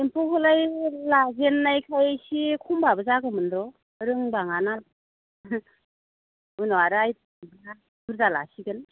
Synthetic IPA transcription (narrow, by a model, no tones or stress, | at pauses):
empʰohɯlajlazenːajkʰajasikʰumbabɯzaɡɯmɯndɾɔ | ɾɯŋbaŋana | ɯnɔwaɾɯaj̚ | bɯŋa | bʰɯɾzala̰siɡɯn